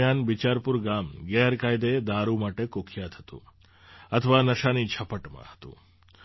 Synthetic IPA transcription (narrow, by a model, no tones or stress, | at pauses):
janbit͡ʃaɾpuɾɡamɡɛɾkajd̪ed̪aɾumaʈekokʰjat̪ʰɦət̪ṵ̃ | ət̪ʰəʋanəʃanit͡ʃʰəpəʈmã̰ɦə̥t̪ṵ̃